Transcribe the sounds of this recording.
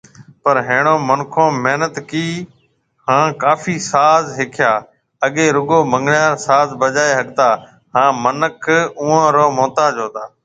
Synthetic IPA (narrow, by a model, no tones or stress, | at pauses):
pəɾɦeːɳ̃õːmənkʰõːmeɦnət̪kiː | hãːkaːfiːsaːzɦɪkʰɪjaː | əɠeːɾʊɠoːmə̃ŋɡɳjaːɾsaːzbəʄaːeːɦəɠt̪aː | ɦãːmənəkʰuːãːɾoːmõːt̪aːd͡ʒoːt̪aː